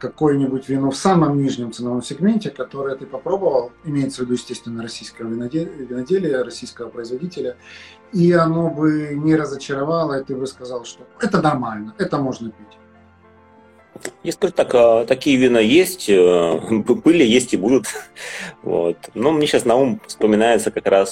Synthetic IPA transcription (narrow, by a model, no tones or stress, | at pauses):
kɐko̞jənʲɪbʊtʲvʲɪno̞fsaməmnʲiʐnʲɪmt̪sɨnɐvo̞msʲɪɡmʲenʲtʲɪkɐt̪o̞ɾɨjət̪ɨpɐpɾo̞bəvəlˠɪmʲejɪt̪səvʲɪd̪ujɪsʲtʲest̪vʲɪnːəɾɐsʲijskəjəvʲɪvʲɪnɐdʲelʲɪjəɾɐsʲijskəvəpɾəɪzvɐdʲitʲɪlʲə | iɐno̞bɨnʲɪɾəzət͡ɕɪɾɐvɑlˠəɪt̪ɨbɨskɐzɑlˠʂt̪o̞ɛt̪ənɐrmalʲnəɛt̪əmo̞ʐnəpʲitʲ | jaskɐʐut̪akət̪ɐkʲijəvʲɪnojesʲtʲə | bɨlʲɪjesʲtʲɪbud̪ʊt̪ | vo̰t̪numnʲeɕasnɐumfspəmʲɪnajɪt̪səkɐkɾas